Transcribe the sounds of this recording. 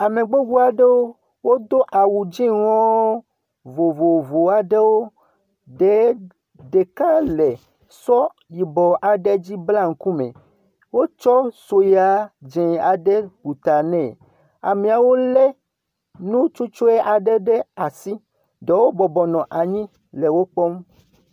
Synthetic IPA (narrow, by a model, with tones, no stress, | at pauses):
a˨me˨ɡ͡be˦ɡu˦a˨ɖe˦wo˦ | wo˦d̪o˦ʔa˨wu˨d͡ʒĩ˦ŋɔ̃˦ | vo˨vo˨vo˨a˨ɖe˦wo˦ | ɖe˨˦ | ɖe˨ka˦lɛ˨ | sɔ˦ | ji˨bɔ˨ʔa˨ɖe˦d͡ʑi˦bla˦ŋ̩˨ku˦mḛ̃˨ | wo˦t͡ʃɔ˦so˨ja˨˦d͡ʒɛ̃˨a˨ɖɛ˦bu˨t̪a˨nɛ̃˨ | a̰˨mĩ˨a˨wo˦lɛ˦ | nũ˦t͡ʃu˦t͡ʃo˦e˦ʔa˨ɖɛ˦ɖɛ˦a˨si˦ | ɖɛ˨wo˦bɔ˨bɔ˨nɔ̃˨ʔa˨ɲĩ˦ | lɛ˨wo˦k͡pɔ˦m